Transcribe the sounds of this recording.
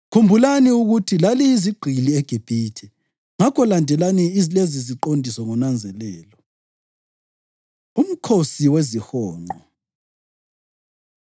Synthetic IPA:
kʰumbʱulaniuɣutʰilaliːziɡ͡ǃʱiliɛɡ̥ʱib̥ʱiːtʰɛ | ŋakʰɔlandʱɛlaniizleziziǃondʱisɔŋɔnand͡zʱɛlɛːlɔ | um̩kʰosiwezihɔːŋ͡ǃʱɔ

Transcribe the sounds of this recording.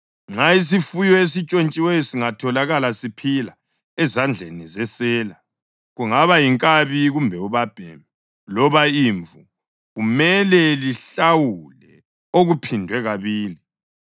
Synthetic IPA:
ŋ͡ǀais̬ifujɔes̬it͡ʃʼont͡ʃʼiwesiŋatʰɔlaɣalasipʰila | ɛzand͡ɮʱenizɛsɛːla | ɣuŋaβajiŋkʼaβiɣumbʱɛuβab̥ʱɛmɛ | lɔβaiɱvu | ɣumɛlɛliɬawulɛ | oɣupʰindʱwɛɣaβiːli

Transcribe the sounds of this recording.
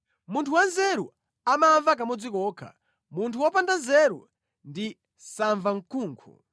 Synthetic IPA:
muntʰuwanzɛɾṵ | amaɱvak̬amɔd͡zikɔːkʰa̰ | muntʰuwɔpandanzɛɾṵ | ndi | saɱvaŋ̩kʰuːŋkʰṵ

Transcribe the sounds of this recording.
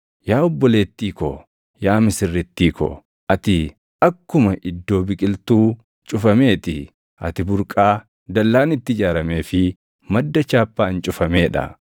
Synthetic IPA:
jaːɔbːɔle̞ːt̪ːiːkɔ̰ | jaːmɪsɪrːɪt̪ːiːkɔ̰ | ʔɐt̪ɪ | ɐkːʊmɐʔɪd̪ːo̞ːbɪkʼɪlt̪uː | t͡ʃʼʊfɐme̞ːt̪ɪ | ɐ̰t̪ɪbʊɾkʼaː | d̪ɐlːaːnɪt̪ːɪd͡ʒaːɾɐme̞ːfɪ | mɐd̪ːɐt͡ʃaːpːaːnt͡ʃʼʊfɐme̞ːᶑɐ̰

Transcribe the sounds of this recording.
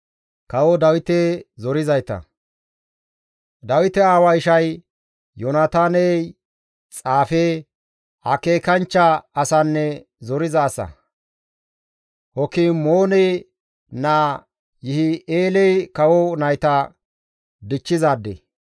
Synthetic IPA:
kɐwɔd̪ɐwɪt̪ezɔɾɪzɐjt̪ɐ̰ | d̪ɐwɪt̪ɛaːwɐɪʃɐj | jɔnat̪aːnɛj | t͡sʼaːfe | ʔɐke̞ːkɐnt͡ʃːɐɐsɐnːɛ | zɔɾɪzɐːsɐ̰ | hɔkiːmoːnɛj | naː | jɪhɪeːlɛjkɐwɔnɐjt̪ɐ | d̪ɪt͡ʃːɪzaːd̪ːɛ

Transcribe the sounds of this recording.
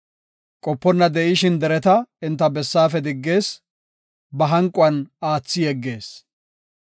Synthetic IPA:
kʼɔpːɔnːɐd̪ɛʔɪʃɪnd̪ɛɾɛt̪ɐɪnt̪ːɐbɛsːaːfɛd̪ɪɡːe̞ːs | bɐɦɐŋkʼːʊɐnaːt͡sːɪjɛɡːe̞ːs

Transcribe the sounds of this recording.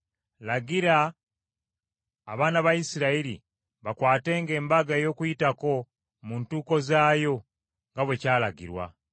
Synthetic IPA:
laɡiɾa | βaːnaβaisiɾaiɾḭ | βakwaːte̞ːŋɡe̞ːmbaɡajo̞ːkujitako̞ | muntuːko̞zaːjo̞ | ŋɡaβwe̞caːlaɡḭɾwa̰

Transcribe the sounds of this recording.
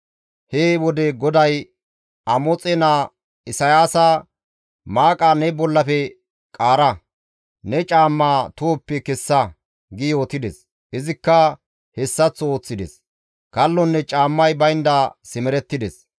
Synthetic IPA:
heːwɔd̪ɛɡɔd̪ɐj | ɐmɔt͡sʼɛnaː | ɪsɐjaːsa | maːkʼanɛbɔlːɐfɛ | kʼaːɾɐ | nɛt͡ʃʼaːmːaːt̪oːpːɛkɛsːɐ | ɡɪjoːt̪ɪd̪ɛs | ʔɪzɪkːɐ | hɛsːɐt͡sːɔo̞ːt͡sːɪd̪ɛ̰s | kɐlːɔnːɛt͡ʃʼaːmːɐjbɐjnd̪asɪmɛɾɛt̪ːɪd̪ɛs

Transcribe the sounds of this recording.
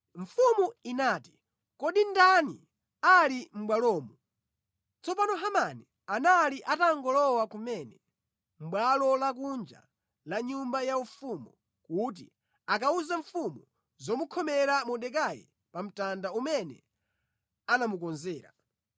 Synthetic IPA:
ɱ̩fumuinaːti̥ | kɔɗindanḭ | alim̩ɓwalɔːmu | t͡sɔpanɔɦamani | analiʔataŋɡɔlɔwakumɛnɛ | m̩ɓwalɔlak̬und͡ʒa̰ | laɲumbajaufumɔ | kut̬ḭ | ak̬auzaɱ̩fumu | zɔmukʰɔmɛɾamɔɗɛk̬ajɛ̰ | pam̩tandaumɛnɛ̰ | anamukɔnzɛːɾa

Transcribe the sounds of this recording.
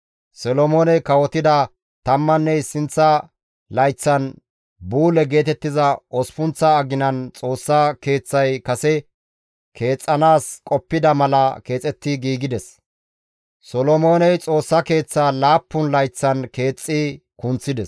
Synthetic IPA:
sɔlɔmo̞ːnɛjkɐwɔt̪ɪd̪ɐ | t̪ɐmːɐnːɛɪsɪnt͡sːɐ | lɐjt͡sːɐn | buːlɛɡe̞ːt̪ɛt̪ːɪzɐʔɔspʊnt͡sːɐːɡɪnɐnt͡sʼo̞ːsːɐke̞ːt͡sːɐjkɐsɛ | kʰe̞ːt͡sʼːɐnaːskʼɔpːɪd̪ɐmɐlɐke̞ːt͡sʼɛt̪ːɪɡiːɡɪd̪ɛs | sɔlɔmo̞ːnɛjt͡sʼo̞ːsːɐke̞ːt͡sːaːlaːpːʊnlɐjt͡sːɐnke̞ːt͡sʼːɪ | kʊnt͡sːɪd̪ɛs

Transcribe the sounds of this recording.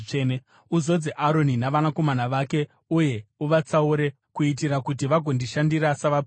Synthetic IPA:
ene | uzo̞d͡zeʔaɾo̞ninaʋanako̞manaʋaːke̞ | uje̞uʋat͡sauɾe̞ | kuit̬iɾakut̬iʋaɡʱo̞ndiʃandiɾasaʋap

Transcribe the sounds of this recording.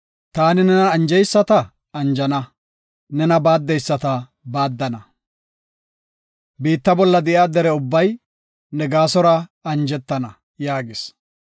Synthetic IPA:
t̪aːnɪnɛnɐːnd͡ʒɛjsːɐt̪ɐ | ɐnd͡ʒɐnɐ | nɛnɐbaːd̪ːɛjsːɐt̪ɐ | baːd̪ːɐnɐ | biːt̪ːɐbɔlːɐd̪ɛʔɪaːd̪ɛɾɛʊbːɐj | nɛɡaːsɔɾɐɐnd͡ʒɛt̪ːɐnɐ | jaːɡɪs

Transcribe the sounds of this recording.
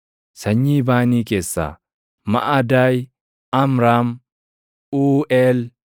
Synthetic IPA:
sɐɲːiːbaːniːkeːsːa̰ː | mɐ̰ʔad̪aːj | ɐmɾaːm | uːʔɛl

